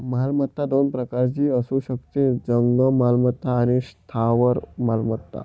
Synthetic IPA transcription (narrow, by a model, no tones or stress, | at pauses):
malmət̪ːad̪onpɾəkaɾt͡ɕiːəsuɕəkt̪ĩd͡zəŋɡəmalmət̪ːaːñist̪ʰaʋəɾmalmət̪ːa̰